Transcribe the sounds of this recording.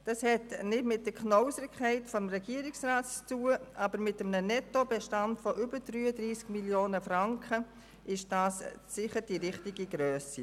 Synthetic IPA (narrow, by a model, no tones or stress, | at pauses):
d̥ɑshɛtnɪtmɪt̚d̥əkʰnɔʊsəɾkʰχɛɪtfɔmrɛɡ̥iəɾɪksraːttuːəʔaːbəɾmɪtəmnənɛtobɛʃtɑntfɔʔʏbəd̥ɾyːədɾiːskmiljoːnəfɾaŋkʰə | ʔɪʃd̥aːssɪχəɾd̥iɾɪχtiɡiɡɾœːsi